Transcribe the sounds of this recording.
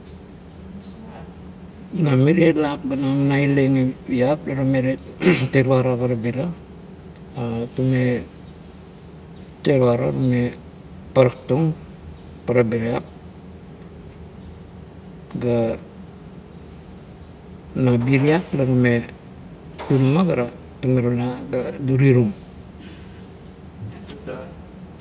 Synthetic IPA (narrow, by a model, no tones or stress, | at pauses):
namiɾielak̚banamnaileŋeiap̚laɾumeɾeteɾwaɾapaɾabiɾa | atume | teɾβaɾa̰ɾume | paɾaktoŋ | paɾabiɾiap̚ | ɡa | nabiɾiaklaɾume | tummaɡaɾa | tumeɾulaɡaduɾiɾum